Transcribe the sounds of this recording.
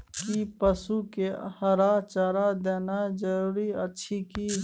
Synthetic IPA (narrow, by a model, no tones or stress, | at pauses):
kipəsukehəɾat͡ʃəɾad̪eːnad͡ʒəɾuːɾiətːʃʰiki